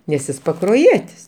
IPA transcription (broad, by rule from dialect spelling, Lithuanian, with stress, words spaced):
nʲɛs ˈjɪs pɐkroːˈjiɛtʲɪs